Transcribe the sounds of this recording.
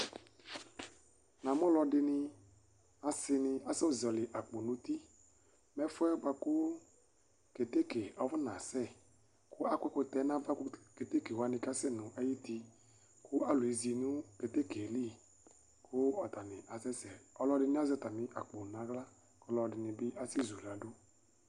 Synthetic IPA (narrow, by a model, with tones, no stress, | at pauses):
na˨m˦ɔ˦lɔ˧dɪ˧nɪ˧ | a˨sɪ˧nɪ˧a˨˦sɛ˦˨zi˨ɔ˨lɪ˨ʔa˨k͡po˨nʊ̃˦t̪i˦ | mɛ˦fɔ˦ɛ˦ɡ͡ba˧˦kʊ˦ | ke˨te˦ke˨ɔ˨vɔ˦nã˨sɛ˦ | kʊ˦a˦kʷɛ˦kʊ˧t̪ɛ˨˦nã˦va˦kʊ˦ke˨t̪e˦ke˨wa˨nɪ̃˧ka˦sɛ˦nʊ̃˨ʔa˦ji˦t̪i˧ | kʊ˦a˦lʊ˨i˨˦zi˨nʊ̃˦ke˨t̪e˦ke˨li˦˨ | kʊ˦ɔ˨t̪a˨nɪ˨ʔa˨sɛ˦sɛ˨ɔ˦lɔ˦dɪ˧nɪ˦a˦zɛ˦t̪a˨mɪ̃˨ʔa˨k͡po˨nã˨˦ɡla˦ | kɔ˦lɔ˨dɪ˨nɪ˨bɪ˦ʔa˨si˦zu˨la˨˦dʊ˦